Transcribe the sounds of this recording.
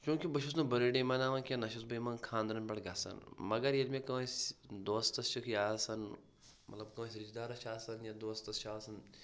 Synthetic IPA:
t͡ʃũːkibɐʃus̬nɐbɐɾeɖemɐnaːʋɐnkʲenɐʃusbɐjmɐnkʰaːnd̪ɾɐnpʲɐɽɡɐːsɐ̰nmɐɡɐɾjɐlmẽkɐʋɐ̃sʲd̪oːst̪ɐst͡ʃʰikʰjaːsɐn | mɐ̰t̪lɐbkɐʋɐ̃sʲɾit͡ʃd̪aːɾɐt͡ʃʰaːsɐnjad̪oːst̪ɐst͡ʃʰaːsɐn

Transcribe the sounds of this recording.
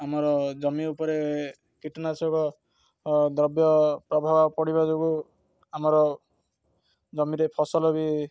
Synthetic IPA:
amɔɾɔd͡ʒɔmiupɔɾe | kiʈɔnasɔɡɔ | d̪ɾɔbjɔpɾɔbʱabapɔɽibad͡ʒoɡu | amɔɾɔ | d͡ʒɔmiɾepʰɔsɔlɔbi

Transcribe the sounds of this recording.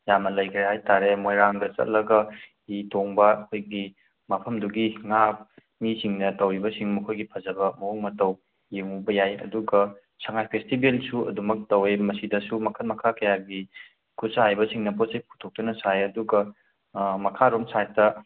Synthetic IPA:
jamnɐlɐjkʰɾehajtaɾemojɾaŋdɐt͡ʃɐ̰t̚lɐɡɐ | itoŋbɐɐkʰojɡi | mɐpʰɐmduɡiŋap̚ | misiŋnɐtɐwɾibɐsiŋmɐkʰojɡipʰɐzɐbɐmɐuŋmɐtɐw | jeŋubɐjajɐ̰duɡɐ | sɐŋajpʰestibelsuɐ̰dumɐk̚tɐwemɐsidɐsumɐkʰɐtmɐkʰakɐjaɡi | kʰusaɦajbɐsiŋnɐposej̚kʰu̥tʰok̚tɐnɐsajɐduɡɐ | mɐkʰaɾomsajtɐ

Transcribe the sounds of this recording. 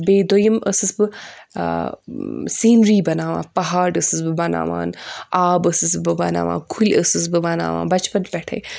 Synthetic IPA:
beːd̪ojɐməsɨsbɨ | siːnɾiːbɐnaːʋã̰ːpɐɦaːɖəsɨsbɨbɐna̰ːʋa̰ːnaːbəsɨsbɨbɐna̰ːʋã̰ːkʰulʲəsɨs̬bɨbɐna̰ːʋã̰ːbɐt͡ʃpɐnpʲɛʈʰɐ̰j

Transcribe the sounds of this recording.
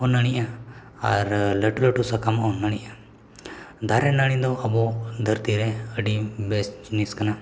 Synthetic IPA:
ɔnəɽ̃iʔa | ɐɾləʈuləʈusakamɔnːaɽ̃iʔa | d̪ʱaɾɛnaɽ̃ĩd̪ɔɐbɔd̪ʱəɾt̪iɾɛəɖibesd͡ʒniskana

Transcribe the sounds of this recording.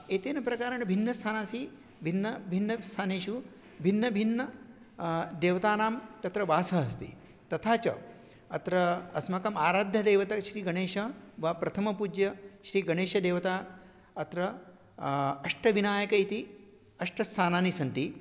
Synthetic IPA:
eːt̪eːnɐpɾɐkaːɾɐɳbʱinːɐst̪ʰaːnaːsi | bʱinːɐbʱinːɐst̪ʰaːneːʃu | bʱinːɐbʱinːɐ | d̪eːʋɐt̪aːnaːmt̪ɐt̪ɾɐʋaːsɐɦɐst̪ḭ | t̪ɐt̪ʰaːt͡ʃɐ̰ | ɐt̪ɾɐɐsmɐkɐmaːɾaːd̪ʱjɐd̪eːʋɐt̪ɐʃɾiːɡɐɳeːʃɐʋɐpɾɐt̪ʰɐmɐpud͡ʒjɐʃɾiːɡɐɳeːʃɐd̪eːʋɐt̪aː | ɐt̪ɾɐ | ɐʂʈɐʋinaːjɐkɐit̪i | ɐʂʈɐst̪ʰaːnaːnisɐnt̪i

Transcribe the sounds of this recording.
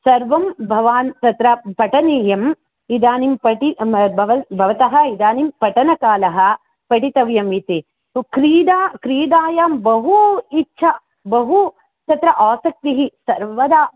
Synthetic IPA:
sɐɾʋɐmbʱɐʋaːnt̪ɐt̪ɾɐpɐʈɐniːjɐm | id̪aːnimpɐʈibʱɐʋɐbʱɐʋɐt̪ɐɦɐ̆id̪aːnimpɐʈɐnɐkaːlɐɦɐ̆ | pɐʈit̪ɐʋjɐmit̪i | kɾiːd̪aːkɾiːd̪aːjaːmbɐɦuitːʃʰɐ | bɐɦu | t̪ɐt̪ɾɐʔaːsɐk̚t̪iɦisɐɾʋɐd̪aː

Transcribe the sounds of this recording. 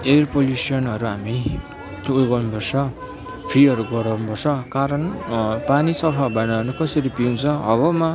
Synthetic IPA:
erpolusiʌnʌɾuɦami | t̪oɡʌnpʌrsʌ | pʰriʌɾuɡʌɽʌwnpʌrsʰʌkaɾʌnpanisʌpʰabanaʌnukʌsʌɾipiũnt͡sʰʌʌβʌma

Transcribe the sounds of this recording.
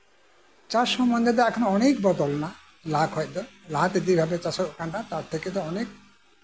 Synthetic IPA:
t͡ʃaʃɔmɔnd̪ed̪ɛɛkʰɔnoɔnekbɔd̪ɔlna | laɡɦɔjd̪ɔlãt̪ed̪ibʱabet͡ʃasɔtkanːat̪aɾt̪ʰeked̪ɔɔnek̚

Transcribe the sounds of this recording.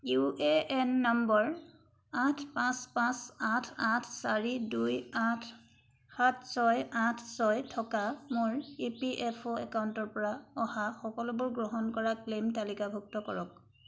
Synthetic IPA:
uʔeɛnːɔmbɔɹ | atʰpãspãsatʰatʰsaɹidujatʰ | xatʰsɔjatʰsɔjtʰɔkamoɹipiʔɛpʰoɛkauntɔɹpɔɹaɔhaxɔkɔlʊbʊɹɡɹɔɦɔnkɔɹaklemtalikabʱuk̚tɔkɔɹɔk̚

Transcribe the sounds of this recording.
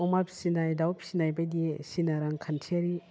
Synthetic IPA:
ɔmapʰsinajdawpʰsinajbajdisinaɾaŋkʰantʰiaɾi

